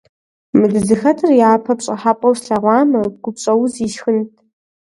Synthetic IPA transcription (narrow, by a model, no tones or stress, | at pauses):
mɨdɨzɨxɐtʰɨrjaːpʰɐpɕʼɐħaːpʼɐwsɬɐʁʷɑːmɐɡ̥ʷʊpɕʼɐwziʃxɨntʰ